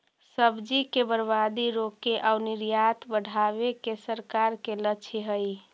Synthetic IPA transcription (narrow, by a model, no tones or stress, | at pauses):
səbd͡ʒikebəɾbad̪iɾokeʔauniɾjat̪bəɽ̤ʱaβekesəɾkaɾkelət͡ʃʰeɦəj